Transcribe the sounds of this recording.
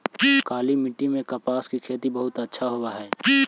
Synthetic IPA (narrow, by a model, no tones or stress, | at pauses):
kaːlimɪʈːimẽkɐpaːskikʰeːt̪ibɐɦʊt̪ətːʃʰaɦowaɦɛː